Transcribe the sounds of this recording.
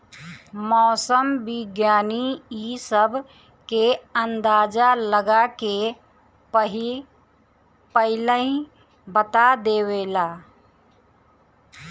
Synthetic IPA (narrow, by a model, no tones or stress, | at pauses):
mɔːsəmbɪɡjaːniisəbʱ | keənd̪aːd͡ʒaləɡake | pəɦi | pəɦɪləĩ | bət̪ad̪eːweːlaː